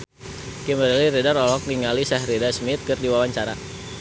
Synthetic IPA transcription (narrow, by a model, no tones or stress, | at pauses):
kɛməɾɛliɾedaɾɔlɔk̚niŋalisɛhredasmɪt̪̚kɨrdiwawaɲt͡ʃaɾa